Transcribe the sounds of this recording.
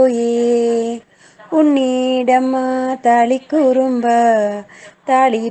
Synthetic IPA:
oje | uɳːiɖɐmːt̪aːɭikːuɾumbɐ | t̪aːɭi

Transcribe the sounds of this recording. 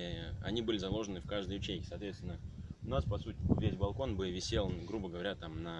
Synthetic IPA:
ɐ̰nʲibɨlʲɪzɐlˠo̞ʐənɨfkaʐd̪əjʊt͡ɕeɡʲɪsɐaːt̪vʲest̪ʲɪnːəʊnaspɐsutʲɪvʲesʲbɐlˠko̞nbɨvʲɪsʲe̞lˠɡɾubəɡəvɐɾʲat̪amnə

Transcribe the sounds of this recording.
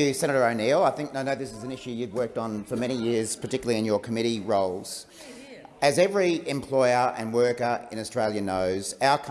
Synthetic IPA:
ɨsɛ̃ñɨɾə˞əʊnilˠaɪθɪ̃ŋk̚naɪnoʊðɪsɨzɨ̃nɪʃʉjʉvwɜ˞k̚tn̩fə˞mɛɾ̃ijɪɹz̥pʰə˞tʰɪkjl̩ˠiɨ̃njə˞kʰəmɪɾiɹoʊlˠz̥ | ɨzɛvɹiɨ̃mpʰl̥ɔɪə˞ʔɨ̰̃nwɜ˞kə˞ɪ̰̃nɨstɹ̥eɪlˠjɨnoʊzaʊə˞kʰ

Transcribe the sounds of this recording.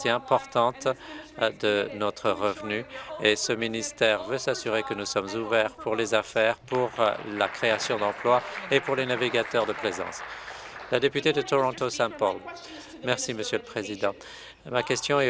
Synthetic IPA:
t̪eɛ̃pɔʁt̪ɑ̃t̪ | d̪ənɔt̪χəʁəvnyesəminist̪ɛʁvøsasyʁekənusɔmzuvɛʁpuʁlezafɛʁpuʁlakχeasjɔ̃d̪ɑ̃plwaepuʁlenaviɡat̪œʁd̪əplezɑ̰̃slad̪epyt̪ed̪ət̪ɔʁɔ̃t̪osɛ̃pɔl | mɛʁsiməsjøləpχezid̪ɑ̃ | makʲɛst̪jɔ̃ɛ

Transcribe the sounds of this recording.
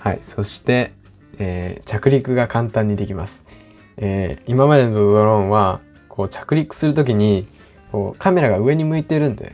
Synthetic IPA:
ha̰ḭso̞ɕi̥t̪e̞ | eːt͡ɕakɯ̟ɾʲikɯ̟ɡakãnt̪ãɲ̟ːid̪e̞kʲimasɨ̥ | eːimamad̪e̞nod̪ozoɾõ̞ɰ̃βa | kʰo̞ːt͡ɕḁkɯ̟ɾʲikːɯ̥sɨɾɯ̟t̪o̞k̬ʲiɲ̟i | ko̞ːkʰame̞ɾaɡaɯ̟e̞ɲ̟imɯ̟it̪e̞ɾɯ̟̃nd̪ḛ

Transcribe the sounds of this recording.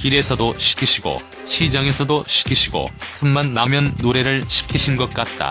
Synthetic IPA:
kiɾe̞sʰʌdoɕʰi̥kʰiɕʰiɡo̰ | ɕʰid͡ʑaŋe̞sʰʌdoɕʰi̥kʰiɕʰiɡo̰tʰɯnmanːamjʌnːoɾe̞ɾɯɭɕʰi̥kʰiɕʰinɡʌt̚k͈at̚t͈a̰

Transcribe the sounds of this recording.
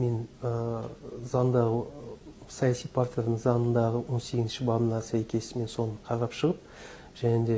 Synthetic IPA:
me̞nə | zɑnd̪ɑʁə | sɑjɑsijpʰart̪ijanəɴzɑnənd̪ɑʁəwo̞nse̞ɡʲɪzʃɪbɑbənɑsæjkʲʰe̞sɪme̞nso̞nəqʰɑɾɑpʃəʁəp̚ | ʒ̥æned̪e̞

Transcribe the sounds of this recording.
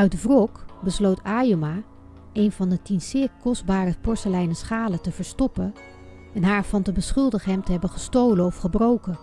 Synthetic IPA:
œɥtvrɔkbəslowtʰaːjoma | ejnvɑndətinsɪːɹkɔsd̚baːɾəpɔɹsəlɛjnəsχaːlətəv̥əɹstɔpə | ɛnɦaːɹvɑntəbəsχɵlˠdəχəɦɛmtəɦɛbənχəstowlənɔfχəbrowkən

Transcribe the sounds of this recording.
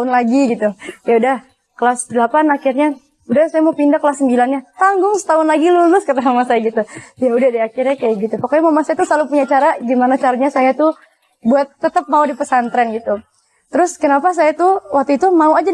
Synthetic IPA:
ʊnlaɡiɡit̪ukjaudah | kəlasdəlapanakɪrɲa | udasajamaupindakəlasːəmbilanɲat̪aŋɡʊŋsə̥t̪aʊnlaɡilulʊskat̪asamasajaɡit̪ujaudahdiakɪrjakajaɡit̪upakaɲamamasajat̪uslalupuɲat͡ʃaɾaɡimanat͡ʃaɾaɲasajat̪u | buat̪ːət̪əp̚maudipəsant̪ɾɛnɡit̪u | t̪əɾʊskənapas̬ajat̪ʊwak̚t̪uit̪umauad͡ʒa

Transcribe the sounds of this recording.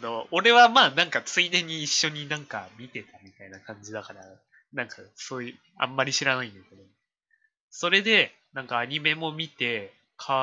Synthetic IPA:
ano̞oɾe̞βamaːnãŋkat͡sɨid̪ẽ̞ɲ̟ːiːɕːo̞ɲ̟inãŋka̰mʲit̪e̞t̪ʰamʲit̪ainakãɲ̟d͡ʑid̪akaɾa | nãŋkasoːjɯ | ã̰mːaɾʲiɕiɾanaĩnd̪eked̪o | so̞ɾe̞d̪e̞ | nãŋkaːɲ̟ime̞mo̞mʲit̪e̞ | kʰa

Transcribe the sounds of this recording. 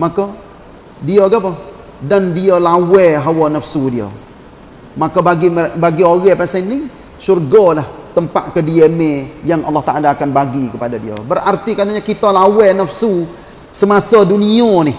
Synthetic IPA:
maka | diaɡapɔh | dandiəlawɛɦawanəfsudiə̰ | makabaɡibaɡioɣɛpasanɪ | surɡɔlaht̪əmpaʔkədiemejaŋʔɑ̰lːaht̪aʔalaːkanbaɡikəpadadiə̰bərart̪ikat̪aɲakit̪alawɛnəfsu | səmasədunianɪh

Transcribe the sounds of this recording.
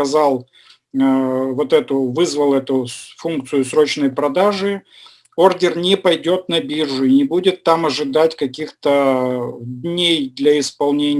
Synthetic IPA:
ɐzalˠ | vo̞t̪ɛt̪ʊvɨzvəlˠɛt̪ʊfunk̚t̪sɨjʊsɾo̞t͡ɕnəjpɾɐd̪aʐɨ | o̞rdʲɪrnʲɪpɐjdʲo̞t̪nɐbʲirʐʊɪnʲɪbudʲɪt̪ːamɐʐɨd̪atʲkɐkʲixt̪ə | d̪ʲnʲejd̪lʲɐɪspɐlˠnʲenʲ

